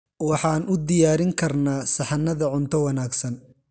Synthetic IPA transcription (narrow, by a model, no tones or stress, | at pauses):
wɑħɑːnʊd̪ɪjaːɾɪŋkʰɐrnaːsɑħɑnːɐðɐʕʊnt̪ʰɔwɐnaːɡsɐn